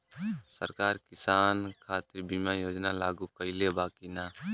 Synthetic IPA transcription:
sə̰ɾkaːɾkɪsaːnkʰaːt̪ɪɾbimãjoːd͡ʒnalaːɡukəɪlebaːkinaː

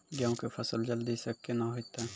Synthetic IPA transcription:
ɡjãõkepʰɐsəld͡ʒəld̪isəkːenaɦot̪a

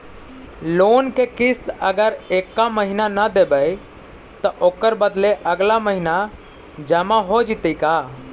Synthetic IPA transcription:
loːnkekɪst̪əɡəɾeːkːaməɦinanəd̪eːbəj | t̪əʔoːkəɾbəd̪leʔəɡlaməɦina | d͡ʒəmaɦod͡ʒɪt̪ikaː

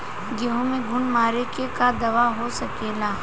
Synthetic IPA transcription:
ɡɐɦõmẽɡʱʊnmaːɾekekad̪ɐʋaɦosɐkeːlaː

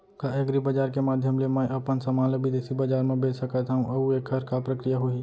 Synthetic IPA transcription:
kaeɡɾibɐd͡ʒaːɾkemaːd̪ʱjəmlemɛ̃ːɐpənsɐmaːləbʱid̪eːsibɐd͡ʒaːɾmẽbeːt͡ʃsɐkat̪aɦũʔɐuekʰɐɾkapɾəkɾijaɦʊi

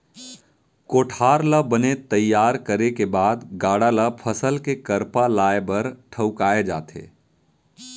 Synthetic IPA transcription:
koːʈʰaːɾləbənet̪əjːaːɾkəɾekebaːd̪ɡaːɽaləpʰəsəlkekəɾpalaːebɐɾʈʰəʊkaːed͡ʒa̰ːt̪ḛː

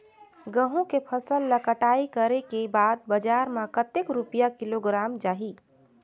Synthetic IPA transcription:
ɡəɦũkepʰəsəlːəkəʈaikəɾekebad̪̚bəd͡ʒaɾmãkət̪ekɾupijakiloɡɾamd͡ʒaɦi

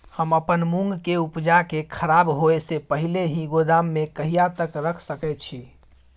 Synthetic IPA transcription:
həməpənmũŋɡkeupd͡ʒakekʰəɾabɦoesepəɦileɦiɡod̪amːekəɦijat̪əkɾəkʰsəkɛt̪̚t͡ʃʰi

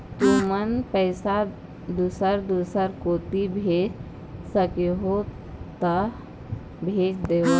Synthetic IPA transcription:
t̪umənpəɪsa | d̪usəɾd̪usəɾkoːt̪ibʱeːd͡ʒ | səkeɦo | t̪ə | bʱeːd͡ʒd̪eːɦo

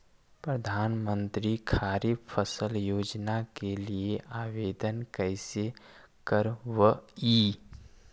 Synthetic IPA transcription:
pɾəd̪ʱaːnmə̃nt̪ɾikʰaːɾipʰəsəljoːd͡ʒnakelieʔaːweːd̪ənkəɪse | kəɾwəiː

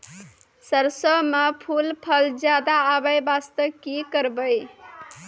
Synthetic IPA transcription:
səɾsəmepʰulpʰəld͡ʒjad̪aːbəjbast̪əkikəɾbəɪ

